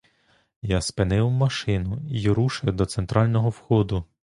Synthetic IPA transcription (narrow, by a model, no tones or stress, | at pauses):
jɑspenɪwmɐʃɪnʊijɾuʃʊjʊd̪ɔt̪sent̪ɾɑlʲnɔɦɔwxɔd̪ʊ